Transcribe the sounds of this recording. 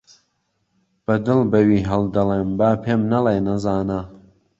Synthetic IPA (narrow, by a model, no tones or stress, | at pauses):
b̥ɐd̪ɨlbɐwiːɦɐlˠd̪ɐleːmbaːpʰeːmnɐleːnɐzaːna